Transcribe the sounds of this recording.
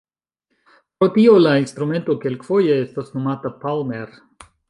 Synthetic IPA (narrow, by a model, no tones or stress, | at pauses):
pɾo̞tio̞lainst̪ɾume̞nto̞kelkfo̞jeestasno̞matapalmeɾ